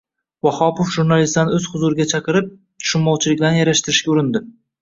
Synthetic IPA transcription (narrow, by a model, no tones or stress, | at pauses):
vɒhɒpofʒuɾnalist̪anɪɵz̥χʊzuɾɪɡʲat͡ʃʰɑqʰɨɾɪp̚ | t̪ʰʊ̥ʃɪmmːɒwt͡ʃʰɪlɪk̚ʲd̪anjaɾaʃt̪ɪɾɪʃkʲaʊɾɪnd̪ɪ